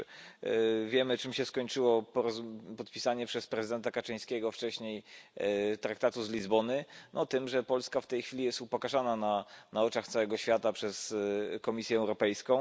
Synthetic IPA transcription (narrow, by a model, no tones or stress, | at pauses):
vʲjɛmɘt͡ʂɘmɕɛskɔɲt͡ʂɘwɔpɔɾɔpɔt̪̚pʲisaɲɛpʂɛspɾɛzɨd̪ɛnt̪akat͡ʂɛj̃skʲɛɡɔft͡ʂɛɕɲej | t̪ɾak̚t̪at̪uzlʲizbɔnɘnɔt̪ɘmʐɛpɔlskaft̪ɛjxfʲilʲijɛst̪upɔkaʐanananaɔt͡ʂaxt̪sawɛɡɔɕfʲjat̪apʂɛskɔmʲisʲjɛɛwɾɔpɛjskɔ̃w̃